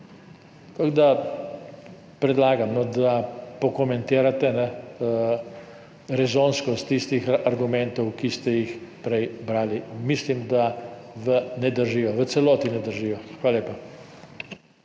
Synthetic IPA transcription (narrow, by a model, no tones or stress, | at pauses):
k̪aɡd̪a | pɾɛd̪laːɡamnɔd̪apɔkɔmɛnt̪eːɾat̪ɛnɛ | ɾɛzoːnskɔst̪ist̪ixaɾɡumɛnt̪ɔwkist̪ɛjixpɾɛjbɾaːlimislimd̪aʋənɛd̪əɾʒiːjɔʋət̪sɛlɔːt̪inɛd̪əɾʒiːjɔxaːlaleːpa